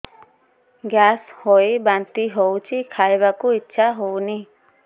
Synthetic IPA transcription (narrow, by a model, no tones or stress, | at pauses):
ɡjashojbant̪iɦowt͡ʃʰikʰajbakuitːʃʰaɦowni